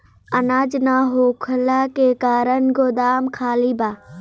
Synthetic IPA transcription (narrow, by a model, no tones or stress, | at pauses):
ɐnaːd͡ʒnaːɦokʰʊlakeːkaːɾənɡod̪aːmkʰaːlibaː